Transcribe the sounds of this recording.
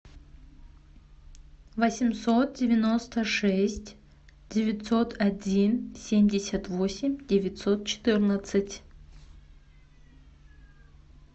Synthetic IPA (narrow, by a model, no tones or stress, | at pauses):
vɐsʲɪmsot̪̚dʲevʲɪnost̪əʂɛsʲtʲ | d̥ʲevʲɪt̪so̞t̪ʰɐdʲinsʲemʲdʲɪsʲɐt̪vosʲɪmʲdʲevʲɪtʲsot̪̚t͡ɕʰɪ̥t̪ɨrnɐt̪sɨtʲ